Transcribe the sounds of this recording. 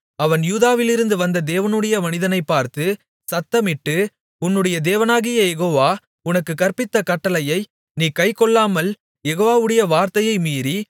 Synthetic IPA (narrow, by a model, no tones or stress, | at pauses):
ɐʋɐnjuːðaːʋɪlɪɾɯnd̪ɯʋɐnd̪ɐd̪eːʋɐnɯɽɐjɐmɐnɪðɐnɐɪpːaːɾt̪ɯ | sɐt̪ːɐmɪʈːɯ | ʊnːɯɽɐjɐd̪eːʋɐnaːɣɪjɐjɛɣoːʋaː | ʊnɐkːɯkɐɾpɪt̪ːɐkɐʈːɐlɐjɐɪ | niːkɐɪkɔɭːaːmɐl | jɛɣoːʋaːʋɯɽɐjɐʋaːɾt̪ɐjɐɪmiːɾi